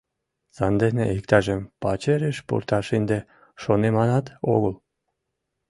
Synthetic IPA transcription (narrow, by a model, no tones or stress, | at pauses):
sɑnd̪enḛik̚t̪ɑʒempɑt͡ɕeɾeʃpṵrt̪ɑʃind̪e | ʃonemɑnɑt̪o̰ɣəl